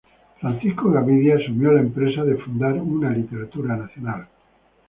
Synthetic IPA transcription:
fɾanθiskoɣaβiðjaːsumjolaempɾesaðefund̪aɾunalit̪e̞ɾat̪uɾanaθjonal

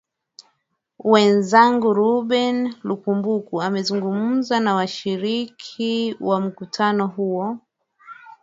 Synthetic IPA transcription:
wɛnzaŋɡuɾuɓɛnlukumbukuamɛzuŋɡum̩zanawaʃiɾikʰiwam̩kutʰanɔɦuɔ

